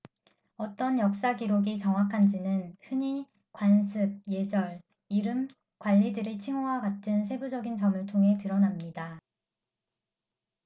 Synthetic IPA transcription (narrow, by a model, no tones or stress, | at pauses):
ʌt͈ʌnjʌk̚s͈aɡiɾoɡit͡ɕʌŋwakʰand͡ʑinɯnhɯɲi | kwansʰɯb̚je̞d͡ʑʌɭ | iɾɯm | kwaʎːidɯɾit͡ɕʰiŋowakatʰɯns̬ʰe̞bud͡ʑʌɡint͡ɕʌmɯɭtʰoŋɦe̞tɯɾʌnamɲida